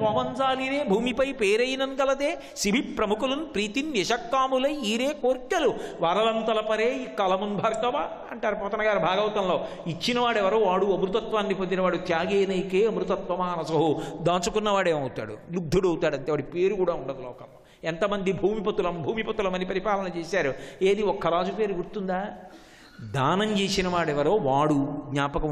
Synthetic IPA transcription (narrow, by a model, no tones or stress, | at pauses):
pɐʋɐnd͡ʒaːliːɾeːbʱuːmipɐjpeːɾɐjinɐnɡɐlɐd̪eː | ʃibʱipːɾɐmukulɐnupɾiːt̪inːɐʃɐkːaːmulɐjiːɾeːkoːɾkjɐluʋaːɾɐlɐnt̪ɐlɐpɐɾeːikːɐlɐmunbʱɐɾt̪ɐʋa | ɐ̰ɳʈaːɾupɔːt̪ɐnɐɡaːɾubʱaːɡɐwɐt̪ɐnloː | it͡ʃːinɐʋaːɽɛʋɐɾoːʋaːɽuɐmɾut̪ɐt̪ʋaːnːipond̪inɐʋaːɽut̪jaːɡeːnɐjkeːɐmɾut̪ɐt̪ʋɐmaːnɐsɐɦud̪aːt͡ʃukunːɐʋaːɽeːmɐwut̪a̰ːɽṵlud̪ʱːɐɽɐwut̪aːɽɐnʈ̪eːʋɐɽipeːɾukuːɽaːuɳɖɐd̪ɐlo̰ːkːɐl | ɛnt̪ɐmɐnd̪ibʱuːmipɐt̪ːulɐmbʱuːmipɐt̪ːulɐmɐnipɐɾipaːlɐnɐnɐt͡ʃeːsaːɾueːd̪iɔkːɐɾaːd͡ʒupe̞ːɾuɡuɽt̪und̪aː | d̪aːnɐmt͡ʃe̞ːsinɐʋaːɽɛʋɐɾoːʋaːɽuɡɲaːpɐkɐ